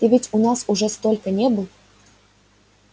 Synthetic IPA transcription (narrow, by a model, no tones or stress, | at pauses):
ivʲɘtʲunɑsuʐɛst̪olʲkənʲebɨlˠ